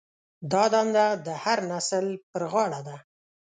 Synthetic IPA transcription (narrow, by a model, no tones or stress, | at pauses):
d̪ɑd̪ɑnd̪ad̪əhaɾnasəlpəɾɣɑɽad̪a